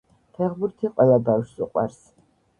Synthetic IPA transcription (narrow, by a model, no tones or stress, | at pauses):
pʰɛʁbuɾt̪ʰiqʼwɛlabawʃsuqʼwa̰ɾs